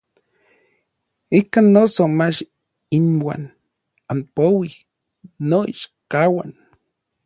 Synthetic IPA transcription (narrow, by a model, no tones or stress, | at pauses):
ikanːosomat͡ʃ | inwa̰ːn | ampowihː | oḭʃkawa̰n